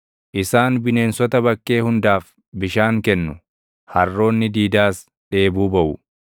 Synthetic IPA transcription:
ʔɪsaːnbɪne̞ːnsɔt̪ɐbɐkːe̞ːhʊnd̪aːf | bɪʃaːŋkɛnːʊ | hɐrːo̞ːnːɪd̪iːd̪aːs | ᶑe̞ːbuːbɐʔʊ

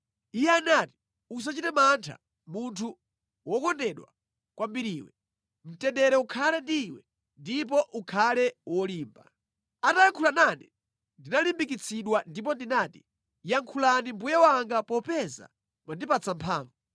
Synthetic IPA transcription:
ijɛanati̥ | us̬at͡ʃitɛmantʰa̰ | muntʰu | wɔkɔndɛɗwa̰ | kwambiɾiːwɛ̰ | m̩tɛndɛɾɛukʰalɛndiwɛ | ndip̬ɔʔukʰalɛwɔliːmba̰ | atajaŋkʰulanani | ndinalimbikit͡sʰiɗwandip̬ɔndinaːti | jaŋkʰulanimbujawaŋɡapɔpɛza̰ | mwandipat͡sʰampʰaːɱvu

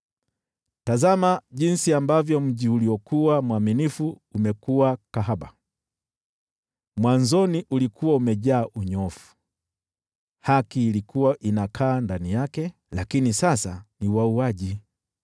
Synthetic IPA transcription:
tazamaʄinsiambavjɔm̩ʄiuliɔkʰuwamuwaminifuː | mɛkuwakaɦaɓa̰ | mwanzɔniʔulikuwaumɛʄaːʔuɲɔfu̥ | hakiːlikʰuwaʔinakʰaːndanijakɛ | lakinisasaniwauaʄi

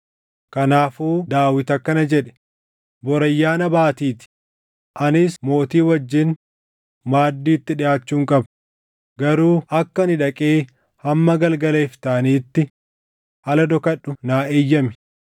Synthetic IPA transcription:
kɐnaːfuːd̪aːwɪt̪ɐkːɐnɐd͡ʒɛᶑɛ̥ | bɔɾɐjːaːnɐbaːt̪iːt̪ɪ̥ | ʔɐnɪsmo̞ːt̪iːwɐd͡ʒːɪn | maːd̪ːiːt̪ːɪᶑɪjaːt͡ʃːuːŋkʼɐb | ɡɐɾuːʔɐkːɐnɪᶑɐkʼeː | hɐmːɐɡɐlɡɐleːft̪aːniːt̪ːɪ | ʔɐlɐd̪ɔkɐɗːʊnaːʔeːjːɐmɪ̥

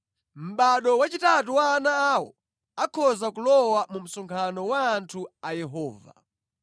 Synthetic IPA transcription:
m̩ɓaɗɔwat͡ʃitatuwaːnaːwɔ̰ | akʰɔzakulɔwamum̩sɔŋkʰanɔwaːntʰuajɛɦɔːva̰

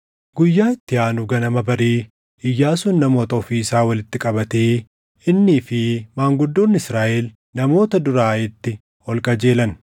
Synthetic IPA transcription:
ɡʊjːaːɪt̪ːɪaːnʊɡɐnɐmɐbɐɾiː | ɪjːaːsuːnːɐmo̞ːt̪ɐɔfiːsaːwɐlɪt̪ːɪkʼɐbɐt̪eː | ɪnːiːfɪmaːŋɡʊd̪ːoːnːɪsɾaːʔeːl | nɐmo̞ːt̪ɐd̪ʊɾaːɪt̪ːɪ | ɔlkʼɐd͡ʒe̞ːlɐn

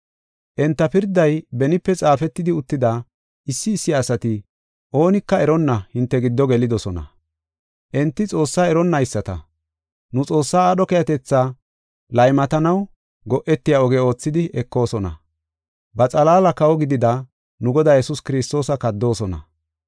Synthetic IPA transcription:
ʔɛnt̪ːɐpɪɾd̪ːɐjbɛnɪpːɛt͡sʼaːfɛt̪ːɪd̪ɪʊt̪ːɪd̪a | ʔɪsːɪːsːɪasɐt̪ɪ | ʔo̞ːnɪkːɐɛɾɔnːɐhɪnt̪ːɛɡɪd̪ːɔɡɛlɪd̪ɔsɔnɐ̰ | ʔɛnt̪ːɪt͡sʼo̞ːsːaːɛɾɔnːɐjsːɐt̪ɐ̰ | nʊt͡sʼo̞ːsːaːɗɔkɛjɐt̪ɛt͡sːa | lɐjmɐt̪ɐnɐw | ɡɔʔɛt̪ːɪjaɔɡɛo̞ːt͡sːɪd̪ɪʔɛkːo̞ːsɔnɐ̰ | bɐt͡sʼɐlaːlɐkɐwɔɡɪd̪ɪd̪ɐ | nʊɡɔd̪aːjɛsʊskɪɾɪst̪o̞ːsɐkɐd̪ːo̞ːsɔnɐ̰

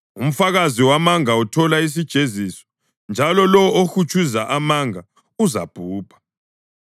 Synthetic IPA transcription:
um̩faɣaziwamaŋautʰɔlais̬id̥ʒ̥ʱezisɔ̥ | nd͡ʒʱalɔlɔoxut͡ʃʰʼuzaʔamaŋa | uzab̥ʱuːb̥ʱḁ

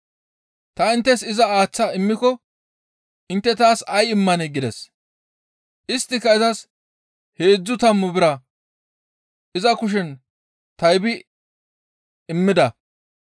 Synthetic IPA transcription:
t̪ɐɪnt̪ːɛsɪzɐaːt͡sːɐɪmːɪkɔ | ʔɪnt̪ːɛt̪aːsɐjɪmːɐnɛɡɪd̪ɛs | ʔɪst̪ːɪkːɐɪzɐs | he̞ːd͡zːʊt̪ɐmːʊbɪɾɐ | ʔɪzɐkʊʃ̬ɛn | t̪ɐjbɪ | ɪmːɪd̪ɐ

